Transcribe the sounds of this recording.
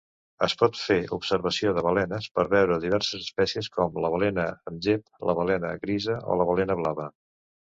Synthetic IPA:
əspɔt̪feupsəɾβəsioðəβəlɛnəspəɾβɛwɾəðiβɛɾsəzəspɛsiəskɔmləβəlenəənʒep̚ləβəlɛnəɣɾizəʔo̰ləβəlenəβlaβə

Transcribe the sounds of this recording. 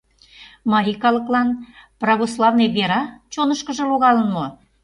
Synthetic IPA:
mɑɾʲikɑlə̆klɑnprɑɣoslˠɑvneβʲeɾɑt͡ɕonəʃkə̆ʒə̆loɣɑlənmo

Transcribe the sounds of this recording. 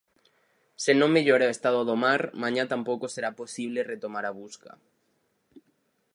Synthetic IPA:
senõŋmeʎoɾaoest̪að̞oðomaɾmãɲat̪ampokoseɾaposiβ̞leret̪omaɾaβ̞uska̰

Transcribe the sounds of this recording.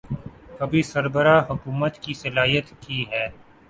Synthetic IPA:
kɐbʱisɐɾbəɾaːɦʊkuːmət̪kisɐlaːijət̪kiɦɛː

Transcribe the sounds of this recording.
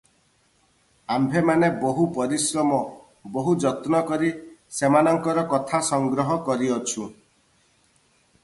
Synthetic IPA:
ambʱemaneboɦupɔɾisɾɔmɔ | boɦud͡ʒɔt̪nɔkɔɾisemanɔŋkɔɾɔkɔt̪ʰasɔŋɡɾɔɦɔkɔɾiɔt͡ʃʰu

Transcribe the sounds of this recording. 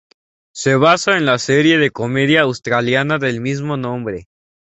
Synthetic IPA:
se̞β̞asoenlaseɾje̞ðe̞ko̞me̞ðjaːwst̪ɾaljanaðe̞lmizmo̞nõ̞mbɾe̞

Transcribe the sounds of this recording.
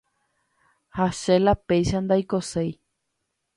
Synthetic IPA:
haʃelapejʃand̪ajkosej

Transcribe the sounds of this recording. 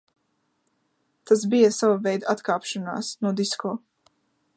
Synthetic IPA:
t̪as̬bijasavavɛjd̪aat̪kaːpʃana̰ːsnuɔd̪iskɔː

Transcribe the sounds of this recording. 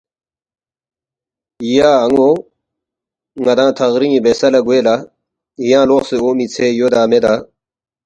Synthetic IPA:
ijaːɐŋoː | ŋɐd̪ãːt̪ʰɐɣɾiŋibesɐlɐɡweːla | ijãːloːqseoːmit͡sʰejod̪aːmed̪aː

